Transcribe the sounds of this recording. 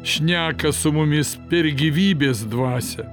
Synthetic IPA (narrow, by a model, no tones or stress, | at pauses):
ʃʲnʲæːkɐsʊmʊmʲɪspʲɛɾɡʲiʋʲiːbʲeːsd̪ʋɑːsʲɛ